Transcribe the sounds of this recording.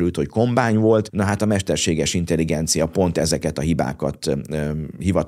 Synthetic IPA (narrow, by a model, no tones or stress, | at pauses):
ɾylt̪ho̞cko̞mbaːɲvo̞lt̪nɒɦat̪ɒmɛʃt̪ɛrʃeːɡɛrʃint̪ɛlːiɡɛnt̪sijɒpo̞nt̪ɛzɛkɛt̪ɒɦiba̰ːkɒt̪ | hivɒt̪